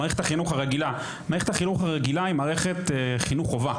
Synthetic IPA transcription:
aʁeχet̪aχinuχhaʁeɡila | maːeetaχinuχhaʁeɡilaimaːʁeχet̪eχinuχova

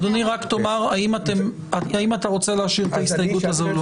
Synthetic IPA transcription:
d̪oniʁaktomaʁaimat̪em | aimat̪aʁo̞t͡se̞leɦaʃiʁet̪aist̪ajeɡut̪hazol

